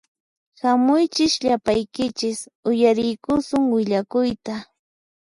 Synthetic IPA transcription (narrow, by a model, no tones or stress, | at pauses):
hamʊjt͡ʃɪʃʎapajkɪt͡ʃɪsʊjaɾɪjkʊsʊŋwɪʎakʊjt̪a